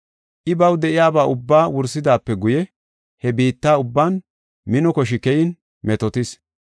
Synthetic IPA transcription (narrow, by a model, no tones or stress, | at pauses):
ʔɪbɐwd̪ɛʔɪjaːbaːʔʊbːaːwʊɾsːɪd̪aːpːɛɡʊjɛ | hɛbiːt̪ːaːʊbːaːn | mɪnɔkɔʃ̬ɪkɛjɪn | mɛt̪ɔt̪ɪs